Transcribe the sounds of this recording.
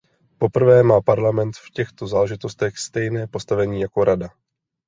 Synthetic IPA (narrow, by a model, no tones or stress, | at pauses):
po̞pr̩vɛːmaːpaɾlamɛnt̪fcɛxt̪o̞zaːlɛʒɪt̪o̞st̪ɛxst̪ɛjnɛːpo̞st̪avɛɲiːjako̞ɾʔada